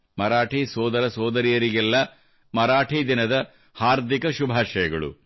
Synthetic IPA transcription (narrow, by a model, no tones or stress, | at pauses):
mɐɾaːʈisɔːd̪ɐɾɐsɔːd̪ɐɾijɐɾiɡɛlːɐ | mɐɾaːʈʰid̪inɐd̪ɐ | haːɾd̪ʱikɐʃubʱaːʃɐjɐɡɐɭṵ